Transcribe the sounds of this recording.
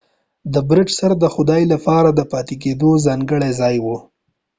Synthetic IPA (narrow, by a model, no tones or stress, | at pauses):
d̪əbɾɪʈsaɾad̪əxʊd̪ɑjlapɑɾad̪əpɑt̪ek̬ed̪ozɑŋɡəɽezɑjwu